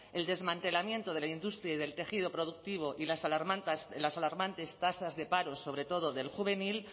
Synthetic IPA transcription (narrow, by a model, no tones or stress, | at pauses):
e̞ld̪e̞zmãnt̪e̞lamjẽ̞nt̪o̞ðe̞laind̪ust̪ɾjaiðe̞lt̪e̞xiðo̞pɾo̞ðuk̚t̪iβ̞o̞ʔilasalaɾmant̪aslasalaɾmant̪e̞st̪asazðe̞paɾo̞so̞βɾe̞t̪o̞ð̞o̞ðe̞lxuβe̞nil